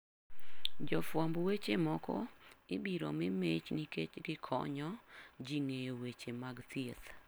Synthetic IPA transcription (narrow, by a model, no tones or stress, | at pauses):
d͡ʒɔfwambwet͡ʃemɔkɔ̰ɪbiɾɔ̰mɪmet͡ʃniket͡ʃɡɪkʰɔ̰ɲɔd͡ʒiŋejowet͡ʃemaɡsijet̪